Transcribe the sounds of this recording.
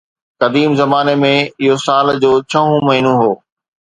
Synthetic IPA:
kɐd̪iːmzɐmaːnemẽɪɦosaːld͡ʑoːt͡ɕʰɐɦũmɐɦɪnũɦoː

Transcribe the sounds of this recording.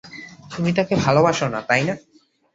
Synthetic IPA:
t̪umit̪̬akebʱalobaʃonat̪ajna

